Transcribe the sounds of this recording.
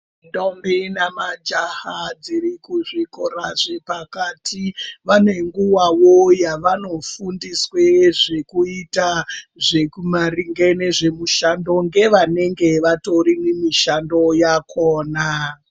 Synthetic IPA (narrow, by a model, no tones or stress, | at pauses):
ndombinamad͡ʒahad͡zirikuʐikoraʐepakatʰiʋane̞ŋɡuwawojaʋano̞fundisweʐe̞kuitaʐekumariŋɡene̞ʐe̞muʃando̞ŋɡe̞ʋane̞ŋɡe̞ʋato̞rinemiʃando̞jakʰoːna